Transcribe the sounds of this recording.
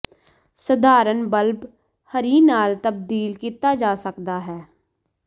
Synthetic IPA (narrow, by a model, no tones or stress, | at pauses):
səd̪aːɾənbəlb | həɾiːnaːlt̪əb̚d̪iːlkiːt̪aːd͡ʒaːsəkd̪aːɦɛː